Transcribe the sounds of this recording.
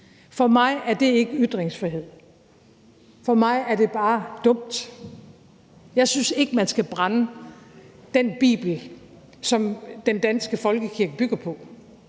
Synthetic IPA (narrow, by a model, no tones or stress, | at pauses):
fɒ̽mɑ̈ɪæɐd̥e̝e̝ɡ̥əyd̥ʁeŋsfʁiɦe̝ð̰ˠ | fɒ̽mɑ̈ɪæɐd̥e̝b̥ɑ̈ːd̥ɔ̽m̰d̥ | jɑ̈ɪsynse̝ɡ̥əmænsɡ̥æb̥ʁɑnə | d̥enb̥ḭːb̥l̩ | sɒ̽md̥end̥ænsɡ̥əfɒ̽lɡ̥əkʰiɐɡ̥əb̥yɡ̥ɐpʰɒ̽